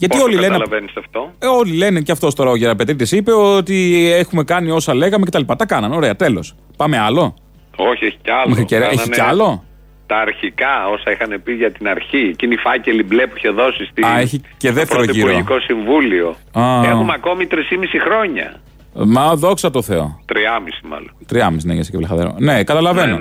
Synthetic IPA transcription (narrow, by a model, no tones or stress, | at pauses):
ʝɐt̪iolilenlɐvenist̪ɐft̪oolile̞neceɐft̪o̞st̪oɾɐoʝeɾɐp̬e̞t̪ɾit̪esipe̞ot̪ie̞xume̞kɐnio̞sɐle̞ɣɐmecet̪ɐlipɐt̪ɐkɐnɐno̞ɾe̞ɐt̪e̞lo̞̰s | pɐme̞ɐlo̞ | oçieçi̥ceɐlmexɾiceɾɐeçieɐlo̞ | t̪ɐːɾçikɐo̞sɐixɐnepiʝɐt̪inɐɾçiecinifɐceliblepuiçeðo̞sist̪iɐeçicesðeftɾeoɾoiʝiɾoikosiɱvulio̞ɐumeɐko̞mit̪ɾisimisixɾo̞ɲɐ̰ | mɐðo̞ksɐt̪o̞θe̞o̞̰t̪ɾiɐmisi̥mɐ̰lont̪ɾiɐmisineʝesiceplexɐðeɾo̰ne̞kɐt̪ɐlɐve̞no̞